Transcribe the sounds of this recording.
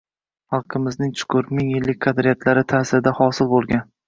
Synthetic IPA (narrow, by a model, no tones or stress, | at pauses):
hɑlˠqʰɨmɪznɪŋt͡ʃʰʊ̥kʰʊɾmɪŋjɪlːɪk̚ʲkqʰɑd̪ɾɪjat̪ʰlaɾɪt̪ʰaːsɪɾɪd̪ahɒsɪlbolˠɡʲan